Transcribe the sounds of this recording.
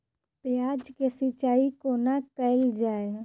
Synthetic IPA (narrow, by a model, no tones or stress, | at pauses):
pjaːd͡ʒkesɪt͡ʃaːikonakəɪld͡ʒaːe